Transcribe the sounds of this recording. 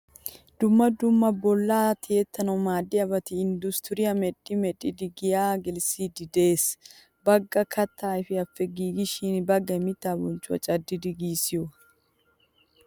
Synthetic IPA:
d̪ʊmːɐd̪ʊmːɐbɔlːaːt̪ʰɪjɛt̪ːɐnɐwmaːd̪ːɪɐbɐt̪ɪːnd̪ʊst̪ʊɾɪjɐmɛᶑʼːɪmɛᶑʼɪd̪ɪɡɪjaːɡɛlsiːd̪ɪd̪e̞ːs | bɐɡːɐkʰɐt̪ːaːɪfɪɐfːɛɡiːɡɪʃɪnbɐɡːɐmɪt̪ːaːbɔnt͡ʃʼːʊɐ̰t͡ʃʼɐd̪ːɪd̪ɪɡiːsɪjɔ

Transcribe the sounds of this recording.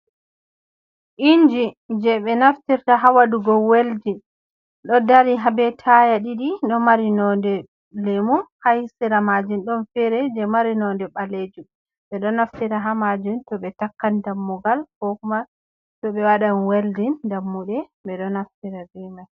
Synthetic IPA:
ʔind͡ʒi | d͡ʒɛɓɛnaftiɾtaɦawaduɡɔweldin | ɗɔdaɾiɦabɛtʰajaɗiɗiɗɔmaɾinɔndɛ | lemuhahisiɾamad͡ʒunɗɔnfɛɾɛd͡ʒɛmaɾinɔndɛɓaled͡ʒum | ɓɛɗɔnaftiɾaɦamad͡ʒumtɔɓɛtakːandamːuɡalkɔkuma | tɔɓɛwaɗanweldindamːuɗɛɓɛɗɔnaftiɾabɛmaj

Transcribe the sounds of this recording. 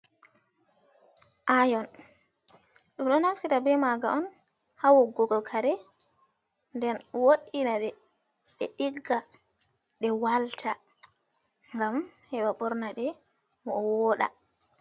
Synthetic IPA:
ʔajɔn | ɗumɗɔnafsitabɛmaɡa̰ɔn | hawɔɡɔɡɔlkʰaɾɛ | ndɛnwoɗinaɗɛ | ɗɛɗiɡːa | ɗɛwaltʰa | ŋɡamhɛɓaɓɔɾnaɗɛ | mɔɔwɔɗa̰

